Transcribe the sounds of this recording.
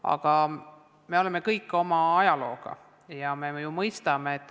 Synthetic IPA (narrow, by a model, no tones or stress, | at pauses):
ɑ̰ɡ̥ɑ | me̞o̞leme̞kɤjkːˑo̞mɑɑjɑlo̞ːɡ̥ɑ̰ | jɑmejumɤjst̪ɑmeːt̪ːˑ